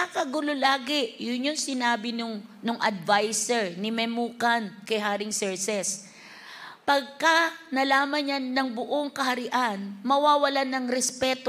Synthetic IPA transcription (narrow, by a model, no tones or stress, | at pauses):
ʔɐkɐɡʊlolaːɡɪʔjʊnjonsɪnaːbɪnʊŋ | nʊŋʔɐ̰d̪̚vajsɛɹnɪmɛmukankɐjɦaːɾɪŋsɛɹsɛs | pɐɡ̚kɐnɐlaːmɐnjanːɐŋbʊʔoŋkɐhɐɾɪʔanmɐwaːwɐlanɐŋɾɛspɛːt̪o